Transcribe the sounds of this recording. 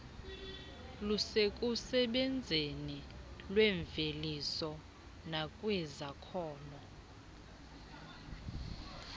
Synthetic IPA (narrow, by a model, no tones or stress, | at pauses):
lusekʼusɛɓɛnd͡zʱenilwɛɱvelisɔ | nakʼwɛzakʰɔːnɔ